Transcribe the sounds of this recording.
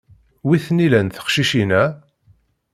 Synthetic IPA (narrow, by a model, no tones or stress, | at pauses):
wiθnilænθə̥χʃiʃinæ